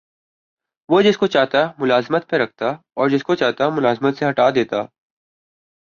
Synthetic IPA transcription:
ʋod͡ʒɪskot͡ʃaːɦt̪amʊlaːzmət̪̚peɾɐk̚ʰt̪a | ɔːɾd͡ʒɪskot͡ʃaːɦt̪amʊlaːzmət̪seɦɐʈaːd̪eːt̪aː

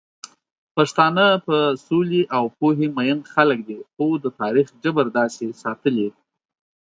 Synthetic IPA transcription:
paʂt̪ɑnəpəsoliʔawpoɦemajənxalək̚d̪ixod̪ət̪ɑɾixd͡ʒəbəɾd̪ɑsesɑt̪əle

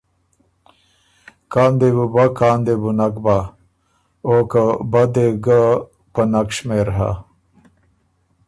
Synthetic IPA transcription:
kaːnd̪ebubakaːnd̪ebunakba | okəbad̪eɡə | pənakʂmeɾɦa̰

